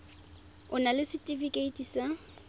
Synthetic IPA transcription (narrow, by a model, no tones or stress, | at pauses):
ʊnalɪsɪtʼifikʼeitʼisa